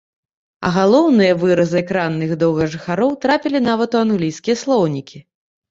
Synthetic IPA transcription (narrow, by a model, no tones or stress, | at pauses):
ɐ̰ɣalˠɔwnɨjɐvɨɾɐzɨɛkɾanːɨɣd̪ɔwɣɐʐɨxaɾɔwt̪ɾapʲilʲin̪avɐt̪uanɣlʲijskʲijɐslˠɔwnʲikʲi